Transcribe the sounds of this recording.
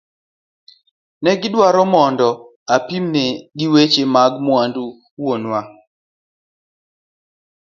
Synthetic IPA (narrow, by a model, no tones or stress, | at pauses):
nɛɡɪdwaɾɔmɔndɔ | apimneɡiwet͡ʃemaɡmwandu | wonwa